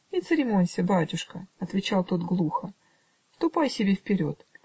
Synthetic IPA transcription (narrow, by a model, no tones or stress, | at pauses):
it̪sɨɾʲɪmonʲsʲɪbatʲʊʂkəɐt̪vʲɪt͡ɕalˠt̪o̞t̪ɡlˠuxə | fst̪ʊpajsʲɪbʲefpʲɪɾʲo̞t̪